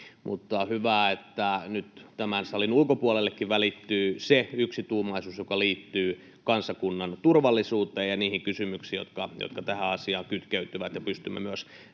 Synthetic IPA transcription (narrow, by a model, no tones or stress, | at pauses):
mʔṵt̪ːɑhyʋæːet̪ːænyt̪t̪æmænsɑlinulkopuolelːekːiʋʋælit̪ːyːseyksit̪uːmɑisuːsjokɑliːt̪ːyː | kɑnsɑkunːɑnt̪urʋɑlːisuːt̪eːjjɑniːhiŋkysymyksiːjo̰t̪kɑjo̰t̪kɑt̪æhæɑsiɑːŋkyt̪keyt̪ːyʋæt̪jɑpyst̪ymːḛmyøs